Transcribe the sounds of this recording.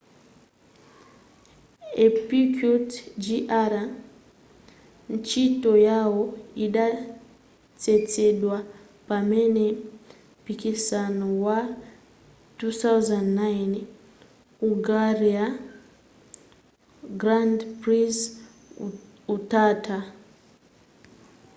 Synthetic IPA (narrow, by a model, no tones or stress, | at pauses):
epikutd͡ʒiʔaɾa | nt͡ʃito̞jawo̞iɗa | t͡se̞t͡se̞ɗwa | pame̞ne̞mpikisanowa | tuθawzandnajn | uɡaria | ɡrandpris | utaːta